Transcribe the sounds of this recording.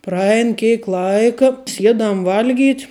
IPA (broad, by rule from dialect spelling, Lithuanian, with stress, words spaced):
prɐˈɛɪn ˈkʲeːk ˈlˠɐɪkɐ ˈsʲiɛdɐm ˈʋɐlʲˌɡʲiːtʲ